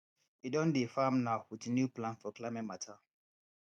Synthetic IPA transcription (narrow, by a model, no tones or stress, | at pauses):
idɔ̃ndefamnawitnjuplãnfɔklamɛ̃matʰa